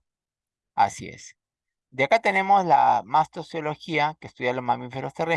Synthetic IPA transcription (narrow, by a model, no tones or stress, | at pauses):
a̰siḛs | d̪eakat̪e̞ne̞mo̞zla̰mast̪osjo̞lo̞xiakest̪uðjalo̞zmamife̞ɾo̞st̪ere